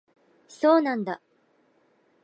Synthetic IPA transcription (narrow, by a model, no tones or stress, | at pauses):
soːnãnd̪a